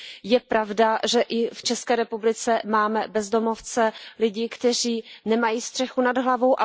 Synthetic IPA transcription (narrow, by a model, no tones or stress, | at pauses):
jɛpɾavdaʒɛʔɪft͡ʃɛskɛːɾɛpublɪt͡sɛmaːmɛbɛzdo̞mo̞ft͡sɛlɪɟɪkt̪ɛr̝iːnɛmajiːst̪r̥ɛxunadɦlavo̞wʔa